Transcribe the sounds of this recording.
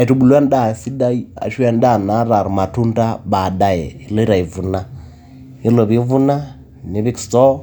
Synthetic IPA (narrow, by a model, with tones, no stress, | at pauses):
e˨tu˨bu˨lwɛ˦nda˦˨si˦da˦i˦a̰˨ʃwɛ˦n˦da˦˨na˨˦ɾa˨ɾu˨ma˨tu˦nta˦ba˨da˦jɛ˨i˨˦lɔ˦i˦ɾa˨i˨vu˨na˦ | i˦lo˨βi˦vu˦na˦ | ni˨βi˦ki̥˨stɔ˦